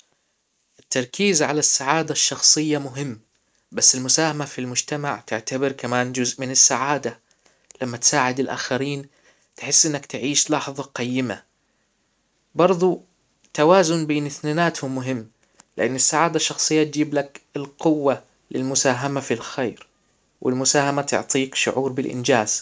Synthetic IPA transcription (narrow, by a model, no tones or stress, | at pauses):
ʔɪt̪ːɑɾˤkiːzʕa̰lasːaʕaːd̪aʃːɑxsˤɨjːamʊɦɪmː | basːɪlmʊsaːhamafilmʊd͡ʒt̪amaʕt̪ɪʕt̪abɪɾkamaːnd͡ʒʊzʔmɪnɪsːaʕaːd̪a | lamːat̪saːʕɪd̪ɪlʔa̰ːxaɾiːn | t̪ħɪsːʔɪnːakt̪ʕiːʃlɑːħðˤɑqajːɪma̰ | bɑɾˤðˤu | t̪awaːzʊnbeːnɪθnanaːt̪hʊmːʊɦɪmː | lɪʔanːɪsːaʕaːd̪aʃːɑxsˤɨjːat̪̚d͡ʒiːblakɪlqʊwːa | lɪlmʊsaːɦamafilxeːɾ | wʔɪlmʊsaːhamat̪ʊ̰ʕt̪ˤiːkʃʊ̰ʕuːɾbɪlʔɪ̰nd͡ʒaːz̥